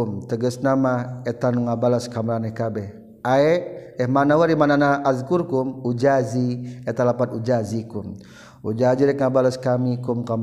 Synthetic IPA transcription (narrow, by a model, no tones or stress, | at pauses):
umt̪əɡəsnamaet̪anuŋabalaskamɾanɛhkabɛh | aɛ | ɛhmanawaɾimananaːzkurkumud͡ʒaziɛt̪alapat̪ud͡ʒazikum | ṵd͡ʒaziɾɛk̚ŋabalaskamikumkam